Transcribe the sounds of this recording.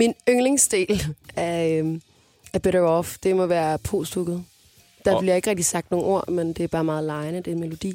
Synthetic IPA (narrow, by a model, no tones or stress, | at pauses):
minøŋle̝ŋsd̥e̝̰ːlæɐ | æɐb̥eɾɐɒfd̥e̝mɒ̽ʋæːɐpʰo̝̰ːsd̥oɡ̥ð̩ˠ | d̥ɑ̈b̥lijɑ̈e̝ɡ̥ʁeɡ̚d̥isɑ̈ɡ̥d̥no̝ːŋ̩ʔo̝ɐ̰mend̥e̝æɐb̥ɑ̈ːmɑ̈ːð̞̩ˠlɑ̈ɪnəd̥enmelo̝d̥ḭː